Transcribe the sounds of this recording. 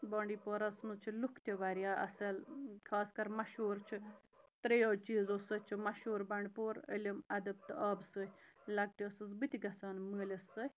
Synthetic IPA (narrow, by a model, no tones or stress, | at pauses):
bɐːɳɖipoɾɐsmɨzt͡ʃʰilukʰt̪ʲiʋaɾijaːɐ̰sɐlkʰaːskɐɾmɐʃuːɾt͡ʃʰi | t̪ɾejoːt͡ʃiːzosət͡ʃʰimɐʃuːɾbɐɳɖpoːɾə̰lʲɐmɐd̪ɐb̚t̪ɨʔɐːbsəːlɐɡ̚ʈiɐsɨsbɨt̪ʲiɡɐsaːnməːlʲɐsə